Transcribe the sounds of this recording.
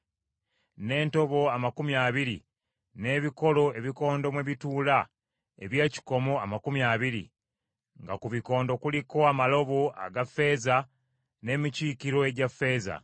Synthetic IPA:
ne̞ːnto̞βo̞amakumjaːβiɾi | ne̞ːβiko̞lo̞e̞βiko̞ːndo̞mweβituːla | e̞βjeːci̥ko̞mo̞amakumjaːβiɾḭ | ŋɡa̰kuβiko̞ːndo̞kuliko̞amalo̞βo̞a̰ɡafːe̞ːza | ne̞ːmiciːkiɾo̞e̞ɟafːe̞ːza̰

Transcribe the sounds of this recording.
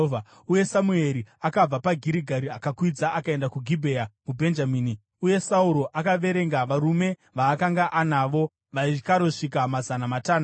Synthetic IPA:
va | uje̞samue̞ɾiakab͡vapaɡʱiɾiɡʱaɾiakakwid͡zaʔakae̞ndakuɡʱibʱeamubʱe̞nd͡ʒamiːni | uje̞sauɾo̞ʔakaʋe̞ɾe̞ŋɡaʋaɾume̞ʋaːkaŋɡaʔanaʋo̞ | ʋaikaɾo̞ʂik̬amazanamataːna

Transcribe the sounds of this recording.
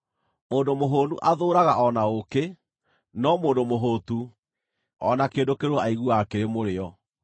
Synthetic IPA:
moːndomoɦoːnuʔaðoːɾaɣaʔɔnaoke | nɔmoːndomoɦotu | ɔnakeːndokeɾoaiɣuakeɾemoɾeɔ

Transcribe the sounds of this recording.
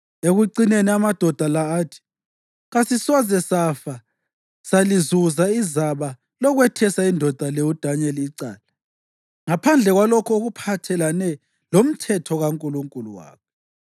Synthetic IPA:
eɣuǀineniamad̥ʱɔd̥ʱalaːtʰi̥ | ɣasisɔzɛsafa | salizuzaizaβa | lɔɣwɛtʰɛsaindʱɔd̥ʱaleud̥ʱaɲɛliːǀa̰ːla | ŋapʰand͡ɮʱɛɣwalɔkʰɔoɣupʰatʰɛlanɛ | lom̩tʰɛtʰɔɣaŋkʼuluŋkʼuluwa̰ːkʰɛ

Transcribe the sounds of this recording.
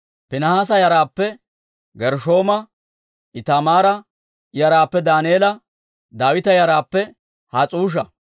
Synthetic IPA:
pɪnɐhaːs̬ɐjɐɾaːpːɛ | ɡɛɾʃo̞ːmɐ | ʔɪt̪amaːɾɐ | jɐɾaːpːɛd̪aːneːlɐ | d̪aːwɪt̪ɐjɐɾaːpːɛ | hat͡sʼuːʃ̬ɐ

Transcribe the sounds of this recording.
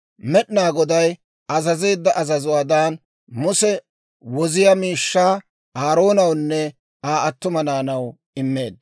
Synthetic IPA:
mɛɗnaːɡɔd̪ɐj | ɐzɐze̞ːd̪ːɐʔɐzɐzʊwaːd̪aːn | mʊsɛ | wɔzɪjɐmiːʃːaː | aːɾo̞ːnɐwnːɛ | aːʔɐt̪ːʊmɐnaːnɐw | ɪmːe̞ːd̪

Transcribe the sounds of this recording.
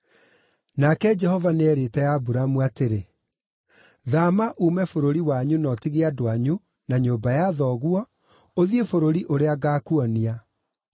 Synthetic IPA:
nakɛd͡ʒɛhɔvaneɛɾetɛjabuɾamwateɾe | ðamaʔumɛfoɾoɾiwaɲunɔtiɣeadoaɲu | naɲoːbajaðɔɣwɔ | oðiefoɾoɾiʔoɾeaɣaːkuɔnia

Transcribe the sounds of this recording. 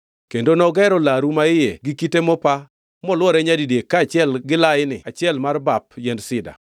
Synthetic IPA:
kendonɔɡɛɾɔlaɾumaɪjeɡɪkitemɔpa | mɔlwɔɾɛɲadidekːaːt͡ʃɪɛlɡɪlaɪnɪ̰at͡ʃɪɛlmarbap̚jɛndsɪda̰

